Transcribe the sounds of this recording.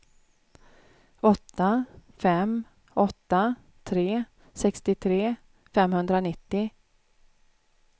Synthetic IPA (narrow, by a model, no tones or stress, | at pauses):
ɔt̪ːafɛm | ɔt̪ːa | t̪ʰɾeː | sɛkst̪ɪt̪ʰɾeː | fɛmhɵnd̪ɾanɪt̪ːɪ